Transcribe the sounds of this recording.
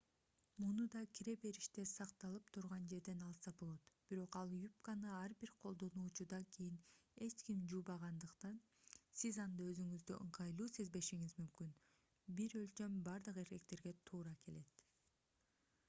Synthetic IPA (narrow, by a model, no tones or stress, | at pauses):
munud̪ɑkʲʰiɾe̞pe̞ɾiʃt̪e̞sɑqt̪ɑlˠɯpt̪ʰuɾʁɑnd͡ʒe̞ɾd̪e̞nɑlˠsɑbo̞lˠo̞t̪b̥iɾo̞qɑlˠjupkanɯɑɾbiɾqʰo̞lˠd̪o̞nuːt͡ʃud̪ɑkʰijine̞t͡ʃkimd͡ʒuːbɑʁɑnd̪ɯqt̪ɑn | sizɑnd̪ɑø̞zyŋyzd̪yʔɯɴqʰɑjlˠuːse̞zbe̞ʃiŋizmymkyn | biɾølt͡ʃø̞mbɑɾd̪ɯqe̞ɾke̞kt̪e̞ɾɡe̞t̪ʰuːɾɑke̞le̞t̪